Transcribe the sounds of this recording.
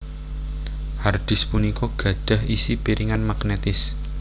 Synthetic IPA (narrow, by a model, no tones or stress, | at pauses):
hard̪̥ɪ̤spunikɔɡ̥ä̤d̪̥a̤ɦisipiɾiŋanmaɡnet̪ɪs